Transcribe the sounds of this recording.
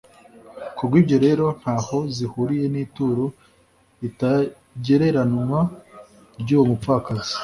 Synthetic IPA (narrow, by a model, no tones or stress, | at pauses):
kubɡwiːbɟo̞ɾe̞ɾo̞n̥haːho̞zihuɾije̞niːtuːɾo | ita | ɟe̞ɾe̞ɾanumwa | ɾɟuːwomufaːkazi̥